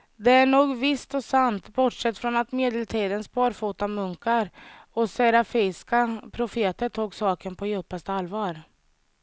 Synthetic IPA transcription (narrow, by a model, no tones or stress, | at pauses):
d̪ɛæɳuːɡvɪst̪ɔsant̪bɔʈʂɛt̪ːfɾɔnat̪meːd̪ɛlt̪ʰiːd̪ənspʰɑːɾfuːt̪amɵŋkaɾɔsɛɾafɛɪskapʰɾʊfeːt̪əʈʰuːɡsɑːkənpʰɔjʉ̟pːast̪əalvɑːɾ